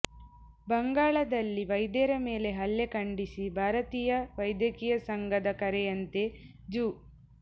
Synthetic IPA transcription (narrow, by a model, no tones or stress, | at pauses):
bɐŋɡaːɭɐd̪ɐlːiʋɐjd̪ɛɾɐme̞ːle̞ɦɐlːekɐɳɖisibʱaːɾɐt̪iːjɐʋɐjd̪jɐkiːjɐsɐŋɡɐd̪ɐkɐɾejɐnt̪e̞ | d͡ʒuː